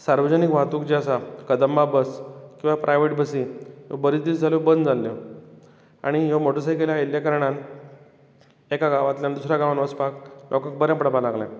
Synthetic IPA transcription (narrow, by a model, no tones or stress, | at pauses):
saɾʋəd͡ʑənikʋat̪ukd͡ʑeəsakəd̪əmːabəskĩw̃ʋapɾʔajʋeʈbəsijõbəɾit̪̚d̪it͡sd͡zʱaljobənd̪d͡zalːjo | a̰ɽ̃ijomoʈəs̬aikeljailjakəɾɳ̃ãn | ekaɡaʋat̪ljand̪usɾjaɡaʋanʋəspaklʔɔkək̚bəɾjãmpɽəbalaɡlã̰